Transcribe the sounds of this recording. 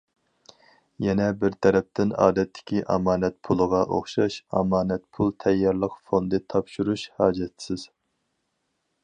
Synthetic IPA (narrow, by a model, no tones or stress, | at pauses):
jɛnɛbɪɾt̪ʰɛɾɛp̚t̪ɪnɑ̰ːd̪ɛt̪ʰːɪ̥kʲʰiʔɑ̰mɑːnɛt̪̚pʰulˠəʁɑʔo̰χʃɑʃɑ̰mɑːnɛt̪pʰulˠt̪ʰɛjːɑɾlˠəqfond̪ɨt̪ʰɑpʃuɾuʃhɑːd͡ʒɛt̪sɪz̥